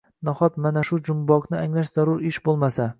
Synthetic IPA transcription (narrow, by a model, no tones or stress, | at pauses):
naχɒt̪manaʃʊd͡ʒʊmbɒknɪaŋlaʃz̥aɾʊɾɪʃbolˠmasa